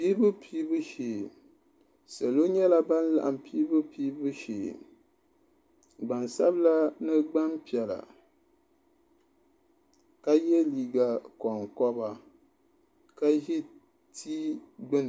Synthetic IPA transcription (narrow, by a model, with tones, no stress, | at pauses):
piː˦bɨ˦pʰiː˦bɨ˦ʃeː˨ | sɛ˨lo˦ɲɛ˦la˦ba˦n˦la̰˨ʔa˨m˨piː˦bɨ˦piː˦bɨ˦ʃḛː˨ | ɡ͡ba˨nsa̰˦bla˦nɨ˦ɡ͡ba˦mpi˨ɛ˨la̰˨ | ka˦jɛ˦liː˨ɡa˨kɔ˨ŋkɔ˦ba˨ | ka˦ʒi˦ | tʰiː˦ɡ͡bɨ˦n˨